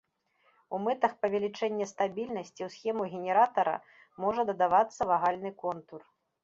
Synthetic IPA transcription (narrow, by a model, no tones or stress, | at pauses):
umɨt̪ɐxpɐvʲɛlʲit͡ʂɛnʲːɛst̪abʲilʲnɐsʲt͡sʲiwsxʲɛmuɣʲɛnʲɛɾat̪ɐɾɐ̰ | mɔʐɐd̪ɐd̪avat̪sːɐvaɣalʲnɨkɔnt̪ur